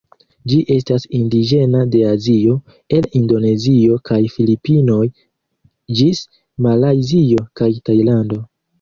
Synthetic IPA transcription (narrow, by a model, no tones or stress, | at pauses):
d͡ʒiʔe̞s̬tasindid͡ʒe̞nade̞azio̞ | e̞lindo̞ne̞zio̞kajfilipino̞j | d͡ʒis | malajzio̞kajtajlando̞